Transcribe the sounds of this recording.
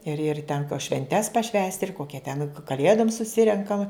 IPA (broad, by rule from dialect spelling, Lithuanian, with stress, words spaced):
ɪr ɪr ˈtʲɛŋkɐ ʃʲʋʲɛnʲˈtʲɛs pɐˈʃʲʋʲæːsʲtʲɪ ɪr ˈkoːkʲɛ tʲɛn kɐˈlʲeːdoːm sʊˈsʲɪrʲɛŋkɐm